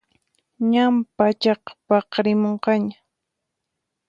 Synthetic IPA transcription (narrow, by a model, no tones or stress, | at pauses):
ɲampat͡ʃɑqpɑqɾɪmoɴqɑɲa